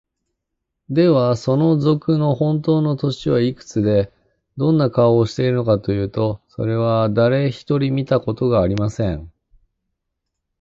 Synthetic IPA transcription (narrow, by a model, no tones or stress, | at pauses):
d̪e̞βaso̞no̞zo̞kɯ̟no̞hõ̞nt̪̬o̞ːno̞t̪o̞ɕiβaikɯ̟̥t͡sɨd̪e̞ | d̪õ̞nːakaoːɕi̥t̪e̞iɾɯ̟no̞kat̪o̞jɯ̟ːt̪o̞so̞̰ɾe̞β̞ad̪aɾe̞çi̥t̪o̞ɾʲimʲit̪ako̞t̪o̞ɡaːɾʲimasẽ̞ɴ